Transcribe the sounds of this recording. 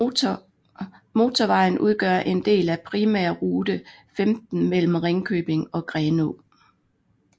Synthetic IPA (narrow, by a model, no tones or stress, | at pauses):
mo̝t͡sʰɒʋɑ̈ɪ̰n̩ʔuð̞ˠɡ̥ɶ̰ɐ̰ʔe̝nd̥e̝̰ːlæpʰʁimæɐ̰ʁuːd̥ə | femd̥n̩mel̰m̩ʁeŋkʰøːb̥e̝ŋɒ̽ɡ̥ʁɛːno